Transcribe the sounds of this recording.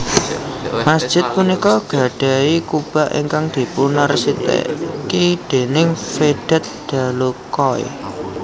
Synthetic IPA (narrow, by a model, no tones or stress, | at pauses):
masd̥ʒ̥ɪ̤t̪̚punikɔɡ̥a̤ɖ̥a̤ikub̥a̤ʔḭŋkaŋd̪̥i̤punarsit̪ḛʔkid̪̥e̤nɪŋfeɖ̥ɛ̤t̪̚d̪̥a̤lukɔj̰